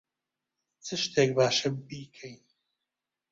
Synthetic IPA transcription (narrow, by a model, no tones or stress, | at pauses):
t͡sʰɨʃt̪ʰeːk̚baːʃɨbiːkʰɛjn